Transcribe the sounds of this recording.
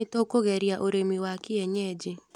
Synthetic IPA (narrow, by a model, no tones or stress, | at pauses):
ɪtokoɣɛɾjaʔoɾemiwakɪɛɲɛd͡ʒɪ